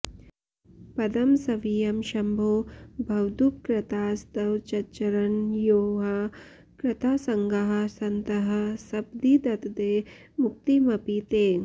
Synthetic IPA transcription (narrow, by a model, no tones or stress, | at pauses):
pɐd̪ɐmsɐʋijɐmʃɐmbʱoːbʱɐwd̪up̚kɾɪt̪aːst̪ɐwt͡ʃɐt͡ʃɐɾɐnjoːɦɐ | kɾɪt̪ʰaːsɐŋɡɐɦɐ̆sɐnt̪ɐɦɐ̆sɐb̚d̪id̪ɐt̪d̪eːmuk̚t̪imɐpit̪eː